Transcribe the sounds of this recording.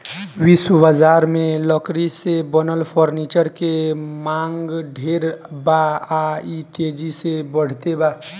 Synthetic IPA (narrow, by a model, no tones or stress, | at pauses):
wiswəbəd͡ʒaɾmẽləkɾisebənəlpʰɔɾnit͡ʃəɾkemaŋɡɖʱeɾbaait̪ed͡ʒisebəɽ̤t̪eba